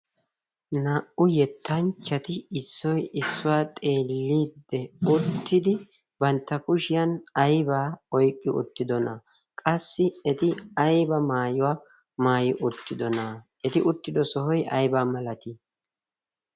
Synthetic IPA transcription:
naːʔʊjɛt̪ʰːɐnt͡ʃːɐt̪ɪɪsːɔjɪsːʊwaːt̪ʼe̞ːlːiːd̪ːɛʊt̪ːɪd̪ɪ | bɐnt̪ːɐkʊʃɪjɐnɐjbaːɔjkʼːɪʊ̰t̪ːɪd̪ɔnɐ | kʼɐsːɪɛt̪ɪɐjbɐmaːjʊwaː | maːjɪʔʊt̪ːɪd̪ɔnɐ | ɛt̪ɪʔʊt̪ːɪd̪ɔsɔɦɔjʔɐ̰jbaːmɐlɐt̪i

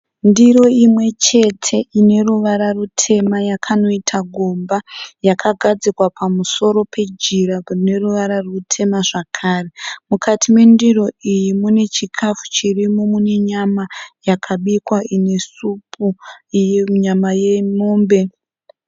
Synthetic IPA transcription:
ndiɾo̞imwe̞t͡ʃe̞tʰe̞ʔine̞ruʋaɾarutʰe̞majakʰano̞itʰaɡʱo̞mbajakʰaɡʱad͡zikwapamuso̞ɾo̞pʰe̞d͡ʒiɾarine̞ruʋaɾarutʰe̞maʐakʰaːre̞mukʰatʰimwe̞ndiro̞ijimune̞t͡ʃikʰafu̥t͡ʃirimo̞mune̞ɲamajakʰaɓikwaine̞supʰu | ɲamaje̞moːmbe̞

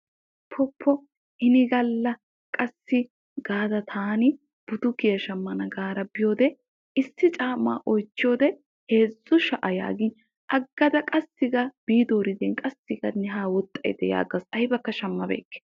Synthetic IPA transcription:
pʰɔpʰːɔ | ʔɪnɪɡɐlːɐ | kʼɐsːɪ | ɡaːd̪ɐt̪ʰaːnɪ | b̥ʊd̪ʊkɪjɐʃɐmːɐnɐɡaːɾɐbɪjo̞ːd̪ɛ | ɪsːɪt͡ʃʼaːma̰ːʔɔjt͡ʃːɪjo̞ːd̪ɛ | he̞ːzʊʃɐʔɐja̰ːɡɪn | ʔɐɡːɐd̪ɐkʼɐsːɪɡɐb̥iːd̪oːɾɪd̪ɛːnkʼɐsːɪɡɐnɛɦaːwɔt̪ʼːɐj̰d̪ɛja̰ːɡɐsɐjbɐkːɐʃɐmːɐbḛːkːɛ̥

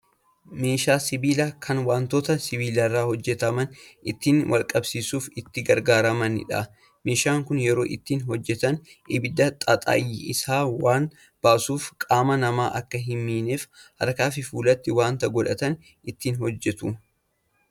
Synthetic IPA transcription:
meːʃaːsɪbiːlakʰɐnwaːnt̪oːt̪ɐsɪbiːlɐrːaːhɔd͡ʒːɛt̪ɐmɐnɪt̪ːiːnwʔɐ̰lkʼɐbsiːsuːfɪt̪ːɪɡɐɾɡaːɾɐmɐnɪ̰ᶑɐ̰ | meːʃaːŋkʊnjɛɾo̞̰ːʔɪt̪ːiːnɦɔd͡ʒːɛt̪ɐnɪbɪd̪ɐt̪ʼɐt̪ʼa̰ːjɪɪsaːwaːn | b̥aːsuːfkʼaːmɐnɐma̰ːʔɐkːɐɦɪmːiːneːfhɐ̰ɾkaːfɪfuːlɐt̪ːɪwaːnt̪ɐɡɔᶑɐt̪ɐn | ɪt̪ːiːnhɔd͡ʒːɛt̪u

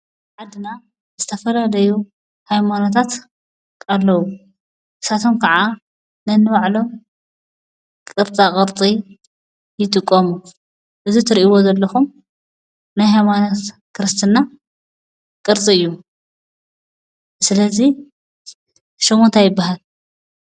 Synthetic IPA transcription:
ʕad̪ɨna | zɨt̪ʰɐfɐlalɐju | hajmanot̪ʰat̪ | alːɐwu | ʔɨsat̪ʰo̞mkʰaʕa | nɐnːɨβaʕlo̞ | kʼɨɾt̪ʼakʼɨɾt͡s̪ʼi | jɪt̪ʼɨkʼːomu | ʔɨzit̪ʰɨɾiʔiwo̞zɐlːɐxum | najɦajmanot̪ | kʰɨɾɨst̪ʰɨnːa | kʼɨɾt͡s̪ʼiɨjːu | sɨlɐzi | ʃomont̪ʰajɪbːaɦal

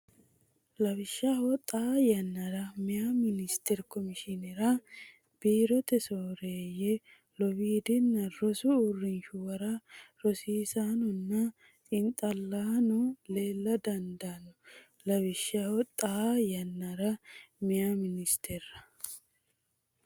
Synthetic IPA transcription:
lɐbɪʃːawɔt̪ʼaːjɐnːɐɾɐmɪjamɪnɪst̪ɛɾkɔmɪʃɪnɛɾɐ | b̥iːɾɔt̪ɛsoːɾeːjɛ | lɔbiːd̪ɪnːɐɾɔsʊʊrːɪnʃʊwɐɾɐɾɔsiːsaːnɔnːɐ | ɪnt̪ʼɐlːaːnɔle̞ːlːɐd̪ɐnd̪aːnɔ | lɐbɪʃːaːwɔt̪ʼajɐnːɐɾɐmɪjamɪnɪst̪ʰɛɾɐ̥

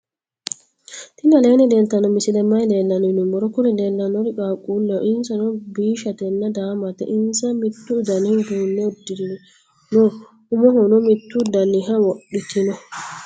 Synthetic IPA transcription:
t̪inalɛnɛdɛnt̪anɔmisidɛmajdɛlːannumɔɾɔkuɾidɛlːanɔɾikakʼulːɛʔinsanɔbiːʃat̪ɛnːadaːmat̪ɛ̰ʔinsamit̪ːudaniɡuːnːɛdːiɾini | nɔ | umɔɦɔnɔmit̪ːudanːiɦawoɗːit̪inɔ

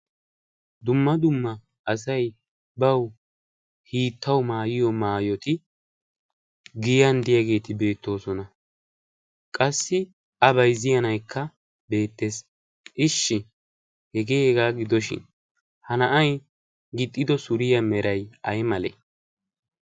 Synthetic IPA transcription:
d̪ʊmːɐd̪ʊmːɐ | ʔːs̬ɐj | bɐw | hiːt̪ːɐwmaːjɪjɔmaːjɔt̪ɪ | ɡɪjɐnd̪ɪjaɡe̞ːt̪ɪbe̞ːt̪ːo̞ːsɔnɐ | kʼɐsːɪ | ɐbɐjzɪjɐnɐjkʰːɐ | be̞ːt̪ːe̞ːs | ʔɪʃːɪ | hɛɡeːɛɡaːɡɪd̪ɔʃɪ̰n | hɐnɐʔɐj | ɡɪt̪ʼːɪd̪ɔsʊɾɪjɐmɛɾɐjɐjmɐlɛ̰

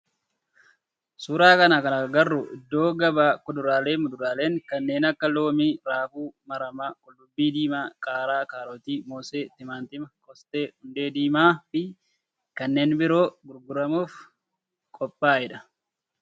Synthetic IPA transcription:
suːɾaːkɐnɐkɐnɐɡɐrːʊʔɪd̪ːo̞ːɡɐbaːkʊd̪ʊɾaːleːmʊd̪ʊɾaːle̞ːŋkɐnːe̞ːnɐkːɐlo̞ːmiːɾaːfuːmɐɾɐmɐkʼʊlːʊbːiːd̪iːmaːkʼaːɾaːkaːɾot̪iːmoːseːt̪ɪmaːnt̪ɪmɐkʼɔst̪eːhʊnd̪e̞ːd̪iːmaːfɪ | kɐnːe̞ːnbɪɾo̞ːɡʊɾɡʊɾɐmuːf | kʼɔpʼːaːɪᶑɐ

